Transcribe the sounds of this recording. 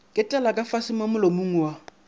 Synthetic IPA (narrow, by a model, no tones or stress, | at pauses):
kʼɪtʼɛlakʼafasɪmamʊlomuŋ̩wa